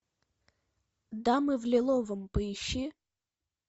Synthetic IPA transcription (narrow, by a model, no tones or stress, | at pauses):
d̪amɨvlʲɪlˠovəmpəɪɕːi